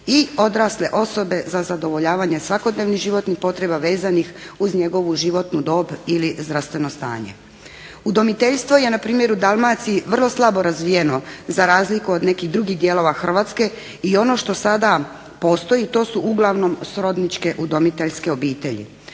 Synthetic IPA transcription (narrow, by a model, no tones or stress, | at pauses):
io̞d̪ɾasleʔo̞so̞be̞zazad̪o̞ʋo̞ʎaːʋaɲe̞sʋako̞d̪ne̞ːʋniɣʒiʋo̞t̪nixpo̞t̪ɾe̞baʋe̞ːzanixuzɲe̞ɡo̞ʋuʒiʋo̞t̪nud̪o̞ːbilizd̪ɾast̪ʋe̞no̞st̪a̰ːɲe̞̰ | ud̪o̞mit̪e̞ʎst̪ʋo̞je̞napɾiːmjeɾud̪almat̪siiʋər̩lˠo̞slˠabo̞ɾazʋije̞no̞zaɾaːzlikuod̪ne̞kiɣd̪ɾuɡiɣd̪je̞ːlˠo̞ʋaxr̩ʋaːt̪ske̞ | io̞no̞ʃt̪o̞sad̪a | po̞ːst̪o̞jit̪o̞ːsuʔuɡlˠaʋno̞msɾo̞d̪nit͡ʃke̞ʔud̪omit̪eʎske̞o̞biːt̪e̞ʎḭ